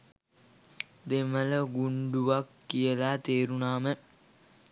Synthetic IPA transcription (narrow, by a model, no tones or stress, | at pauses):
d̪emələɡuɳɖuʋakːijəlaːt̪eːɾunaːmə